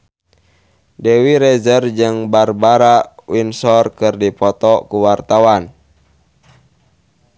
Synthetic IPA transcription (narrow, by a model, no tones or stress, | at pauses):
dɛwiɾɛzərd͡ʒɨŋbarbaɾawinsɔrkɨrdipɔt̪ɔkuwart̪awan